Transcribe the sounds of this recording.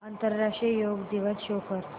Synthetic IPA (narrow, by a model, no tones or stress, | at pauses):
ant̪əɾːaʂʈɾijoɡd̪iʋəsɕokəɾ